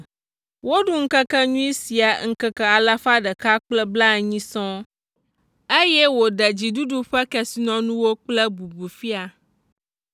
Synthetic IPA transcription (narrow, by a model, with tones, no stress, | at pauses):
wo˦ɖu˦ŋ̩˦kə˦kə˦ɲũ˦i˦si˨a˨ŋ̩˦kɛ˦kɛ˦a˨la˦ɸa˦ɖə˨ka˦k͡plɛ˦bla˦˨ɲĩ˦sɔ̃˦ | e˦jɛ˦wo˨ɖɛ˨d͡ʑi˨du˦ɖu˦ɸɛ˦kɛ˦˨si˦nɔ̃˦nũ˦wo˦k͡plɛ˦bu˨bu˨fi˦a˨